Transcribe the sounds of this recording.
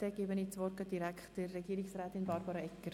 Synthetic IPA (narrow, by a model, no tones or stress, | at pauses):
tɛɡebənit͡sʋɔrkədiɾækd̥ərːeɡiəɾiksræːtinbɑrbɑɾɑɛkːər